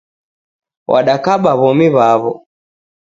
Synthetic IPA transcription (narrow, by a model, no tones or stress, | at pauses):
wʔa̰ɗakaɓaβɔmiβaβɔ